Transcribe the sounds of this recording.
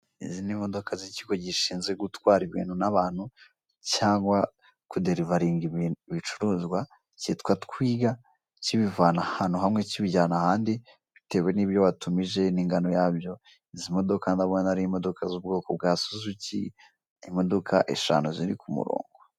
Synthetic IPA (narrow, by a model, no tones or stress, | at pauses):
ḭzinimo̞do̞kʰaziciɡo̞ɟiʃiːnzɡweɡutwaːɾiβḭːnhunaβaːn̥hu | caːŋɡwa | kudeɾivaɾiːŋɡiββit͡ʃuɾuːzɡwa | citkwatkwiːɡa | ciβivaːnahanuɦamŋe̞ciβiɟaːnahaːndi | βite̞we̞niːβjoβatumiʒe̞niŋɡano̞jaːbjo̞ | izimo̞do̞kandaβonanaɾiimo̞do̞kʰazub̚ɡo̞ːkob̚ɡaːsuzuci | imo̞dokʰa̰ʔḛʃa̰nuziɾḭkumṵɾo̰ːŋɡo